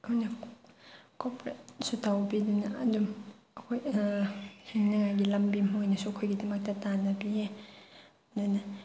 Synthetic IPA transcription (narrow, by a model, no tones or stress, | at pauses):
kʰajnɐ | kopɾet̚sutʰawbidunɐɐdum | ɐkʰoj | hiŋnɐŋajɡilɐmbimojnɐsuɐkʰojɡidɐmɐk̚tɐtanɐbie | dunɐ